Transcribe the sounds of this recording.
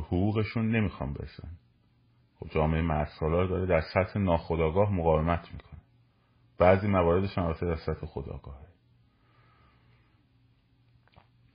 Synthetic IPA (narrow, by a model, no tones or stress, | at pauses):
hoɣuːɣe̞ʃunːe̞miːxɒ̰nbe̞̰ɾesæ̰n | xobd͡ʒɒːmeejemæd̪sɒːlɒːɾd̪ɒːɾed̪æɾsæt̪he̞nɒːxod̪ɒːɡɒːɦmoɣɒːvemæt̪ʰmiːkʰonæ | b̥æːziːmævɒːɾe̞d̪e̞ʃunælbæt̪ʰed̪æɾsæt̪he̞xod̪ɒ̰ːɡ̥ɒːhe